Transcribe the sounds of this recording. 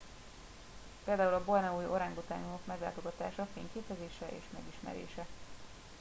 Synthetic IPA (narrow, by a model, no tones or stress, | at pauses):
peːld̪aːulɒbornɛuːjo̞ɾaːŋɡot̪aːɲunokmɛɡla̰ːt̪o̞ɡɒt̪a̰ːʃɒfeːŋkeːpɛzeːʃɛʔḛːʃmɛɡiʃmɛ̰ɾḛːʃɛ